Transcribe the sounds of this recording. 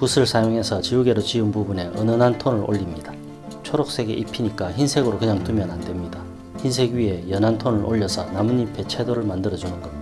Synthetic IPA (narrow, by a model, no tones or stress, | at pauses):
pusʰɯɭsʰajoŋe̞sʰʌt͡ɕiuɡe̞ɾot͡ɕiɯnpubune̞ʔʌnɯnantʰonɯɾʔo̰ʎːimɲida | t͡ɕʰoɾok̚s͈e̞ɡe̞̰ʔipʰiɲik͈açinsʰe̞ɡɯɾokeɲaŋtumjʌnandwe̞mɲida | çins̬ʰe̞ɡɥie̞jʌnɦantʰonɯɾʔoʎːʌsʰʌnamuɲipʰe̞t͡ɕʰe̞doɾɯɭmandɯɾʌd͡ʑinɯnɡʌ